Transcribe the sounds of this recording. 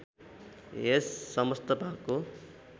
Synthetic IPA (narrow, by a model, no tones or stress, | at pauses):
esːʌmʌst̪ʌbʱab̚ko